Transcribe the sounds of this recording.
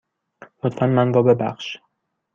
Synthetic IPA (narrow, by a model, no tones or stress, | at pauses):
lot̪fænmænɾɒːbe̞bæ̰xʃ